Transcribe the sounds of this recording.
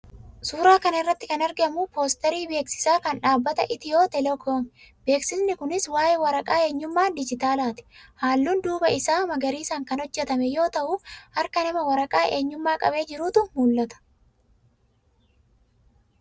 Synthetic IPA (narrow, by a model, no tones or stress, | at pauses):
suːɾaːkɐnɪrːɐt̪ːɪkɐnɐɾɡɐmʊpo̞ːst̪ɛɾiːbe̞ːksɪ̥saːkɐnᶑaːbːɐt̪ɐʔɪt̪ɪjo̞ːt̪ɛlɛkʰoːm | be̞ːksɪsnɪkʊnɪswaːjɛwɐɾɐkʼaːe̞ːɲːʊmːaːnd̪ɪd͡ʒɪt̪aːlaːt̪ɪ̥haːlːuːnd̪uːbɐɪsaːmɐɡɐɾiːsaːŋkɐnhɔd͡ʒːɛt̪ɐmɛjo̞ːt̪ɐʔʊhɐɾkɐnɐmɐwɐɾɐkʼaːʔe̞ːɲːʊmːaːkʼɐ̰be̞ːd͡ʒɪɾuːt̪ʊmuːlːɐt̪ɐ̥